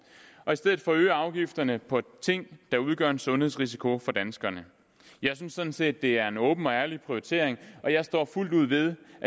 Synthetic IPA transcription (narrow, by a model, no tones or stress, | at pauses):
ʔɒ̽isd̥eð̩ˠfɒ̽ːø̰ːɑ̈ʊɡ̥ifd̥ɐnəpʰɒ̽t͡sʰe̝ŋ̰d̥ɑ̈uð̞ˠɡ̥ɶ̰ɐedsɔ̽nheðˠsʁis̬ikʰo̝fɒ̽d̥ænsɡ̥ɐnə | jɑ̈ɪsynsːɒ̽d̥n̩se̝̰ːd̥̚ːe̝æɐe̝nɔ̽ːb̥n̩ɒ̽æɐlipʰʁioit͡sʰe̝ɐ̰eŋʔɒ̽jɑ̈ɪsd̥ɒ̰ːful̰d̥uð̞̰ˠʋe̝ð̞ˠʔæ